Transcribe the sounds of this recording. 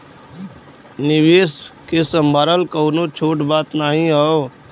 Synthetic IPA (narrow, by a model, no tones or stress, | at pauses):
nɪʋeːskesə̃mbʱaːɾəlkəːnot͡ʃʰoːʈbaːt̪naːɦĩɦao